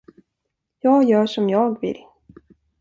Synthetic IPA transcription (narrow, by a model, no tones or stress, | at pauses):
jɑːɡjœːʂɔmjɑːɡvɪ̰lː